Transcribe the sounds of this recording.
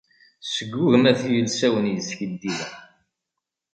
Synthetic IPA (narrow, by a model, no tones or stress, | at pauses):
səɡːʊɣəmæθijəlsæwənjəsçəd̪ːilæ